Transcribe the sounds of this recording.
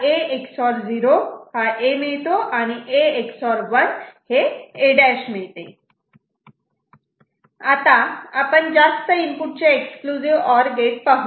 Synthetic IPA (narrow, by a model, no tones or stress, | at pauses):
eeksɔɾd͡ziɾohaʔemiɭt̪oʔañiʔeeksɔɾʋənheeɖɛɕmiɭt̪e | at̪ãapəɳd͡ʑast̪əimpuʈ̚t͡ɕeekskluziʋɔɾɡeʈ̚pəɦ